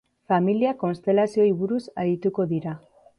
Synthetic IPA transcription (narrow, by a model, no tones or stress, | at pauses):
familiako̞nst̪e̞lasio̞iβuɾusaɾit̪uko̞ðiɾa